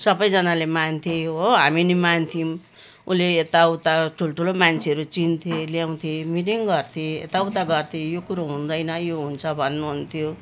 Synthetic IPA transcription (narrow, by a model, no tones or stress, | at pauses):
sʌbʌjd͡zʌnalemant̪ʰeɦoɦaminimant̪ʰim | uleːt̪aut̪aʈʰuloʈʰulomant͡sʰeʌɾut͡sint̪ʰeliaw̃t̪ʰẽmiʈiŋɡʌrt̪ʰeḛt̪awut̪aɡʌrt̪ʰĩjokuɾoɦũnd̪ʌjnʌjoɦunt͡sʰʌbʱʌnːuɦunt̪ʰjo